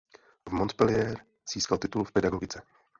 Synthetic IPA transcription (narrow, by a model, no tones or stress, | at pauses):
vmɔnt̪pɛlɪɛːɾ | z̥iːskalt̪ɪt̪ulfpɛd̪aɡɔɡɪt͡sɛ